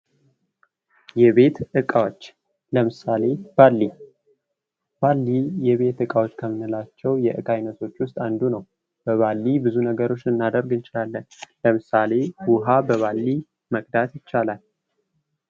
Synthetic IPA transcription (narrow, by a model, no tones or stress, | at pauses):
jɛβe̞t̪ɨkʼawot͡ʃː | ləmɨsale̞b̥alːi | b̥alːijɛβe̞t̪ɨkʼawot͡ʃːkʰəmɨnɨlat͡ʃːɛwjɛʔɨkʼajnət̪ʰo̞t͡ʃːwʊst̪ʼand̪unəw | b̥əβalːibɨzunəɡəɾo̞t͡ʃːɨnːad̪əɾɡɨnt͡ʃʼɪlalːənləmɨsale̞wʊɦabəβalːi | məkʼd̪at̪jɪt͡ʃːalal